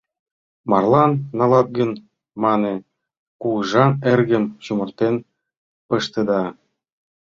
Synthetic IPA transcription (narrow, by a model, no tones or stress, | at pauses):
mɑrlˠɑnːɑlɑt̪̚ɡən | mɑnĕ | kuʒɑerɣə̆mt͡ɕumɤ̆rt̪en | pɤʃt̪ɤ̆d̪ɑ